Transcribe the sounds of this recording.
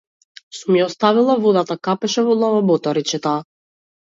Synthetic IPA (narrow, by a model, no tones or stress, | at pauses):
sumjɛɔst̪avilˠavɔd̪at̪akapɛʃɛvɔlˠavabɔt̪ɔɾit͡ʃɛt̪a